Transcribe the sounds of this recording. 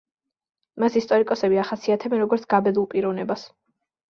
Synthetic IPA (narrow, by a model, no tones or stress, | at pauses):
masist̪ʼɔɾikʼɔsɛbiaχasiat̪ʰɛbɛnɾɔɡɔɾt̪sɡ̥abɛd̪ulˠpʼiɾɔvnɛbas